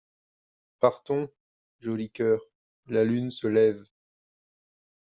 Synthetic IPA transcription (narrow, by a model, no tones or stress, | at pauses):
paʁt̪ɔ̃ | ʒɔlikʲœːʁ | lalynsəlɛv